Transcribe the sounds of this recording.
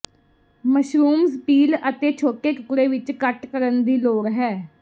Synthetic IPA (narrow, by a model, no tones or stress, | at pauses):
məʃɾuːmspiːlət̪eːt͡ʃʰoːʈeːkʊkɽeːʋɪt͡ʃkəʈkəɾənd̪iːloːɾɦɛː